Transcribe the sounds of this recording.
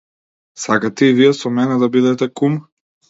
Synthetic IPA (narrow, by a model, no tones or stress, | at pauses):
sakat̪ɛivijɛsɔmɛnɛd̪abid̪ɛt̪ɛkum